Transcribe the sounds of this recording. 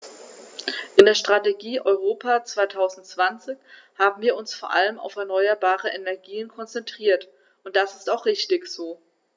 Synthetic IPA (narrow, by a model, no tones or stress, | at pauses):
ʔɪndeːɐʃtʁ̥ateɡiːʔɔʏʁoːpʰaːt͡sv̥aɪtʰaʊzn̩tt͡sv̥ant͡sɪç | haːbm̩viːɐʊnsfoːɐʔa̰ləma̰ʊfɛɐnɔʏɐbaːʁəʔɛnɛɐɡiːənkʰɔnt͡sɛntʁ̥iːɐt | ʊnt̚d̥asɪ̥staʊχʁ̥ɪçtɪçz̥oː